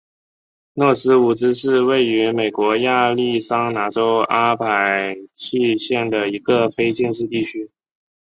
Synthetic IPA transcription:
nwɔ˥˩sɹ̩˥u˨˩ʈ͡ʂɻ̩˥ʂɻ̩˥˧we˥˩ɪy˧˥me˨˩ɪkwɔ˧˥ja˥˧li˥˩sɑ˥ŋna˧˥ʈ͡ʂo˥ʊa˥pʰa˨˩ɪt͡ɕʰi˥˧ɕjɛ˥˩nd̪ə˩i˧˥ɡə˧fe˥ɪt͡ɕjɛ˥˧nʂ̬ɻ̩˥˧t̪i˥˩t͡ɕʰy˥

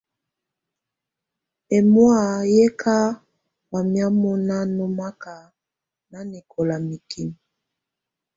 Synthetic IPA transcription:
e˨mwa˦˨jɛ˦kʰa˦ | wa˨mja˦mɔ˦na˦nɔ˦ma˦ka˨ | na˦ni˨kʰɔ˨la˨mi˨ki˦n˨

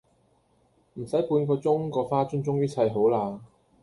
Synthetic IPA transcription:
m̩˨˩sɐ˨˥jpuː˨˧nkɔː˧t͡sʊ˥ŋkɔː˧faː˥t͡ʃʊ˥ŋt͡sʊ˥ŋjɐ˥t͡sʰɐ˧jɦo˨˥wlaː˧

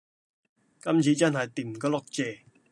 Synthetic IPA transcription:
kɐ˥mt͡sʰiː˨˧t͡sɐ˥nɦɐ˨jt̪iː˨˩m˨kɔ˧lɔ˥k̚t͡sɛː˨˧

